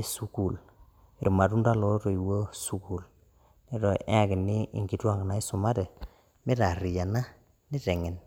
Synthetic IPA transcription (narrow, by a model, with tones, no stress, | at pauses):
su˦ku˨l | i˨ɾma˨tu˦nda˦lɔ˨˦to˨i˨wo˦su˦ku˨l | ni˦tɔ˨ɛ˦a˨kɪ˨niː˦˨ŋɡi˨twa˦ŋɡna˨i˦su˨ma˦tɛ˨ | mi˦ta˨ɾi˨ja˨na˦ | ni˦tɛ˨ŋɛ˨n